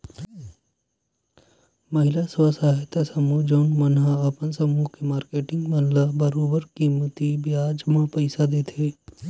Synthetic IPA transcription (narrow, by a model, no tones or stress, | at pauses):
mɐɦɪlaswasaːɦɪt̪asɐmud͡ʒoːnmɐnɦaɐpənsɐmukemaːɾkeːʈɪ̃ŋɡmɐɦlabɐɾoːbəɾkimət̪ibjaːd͡ʒmãpəɪsad̪eːt̪ʰeː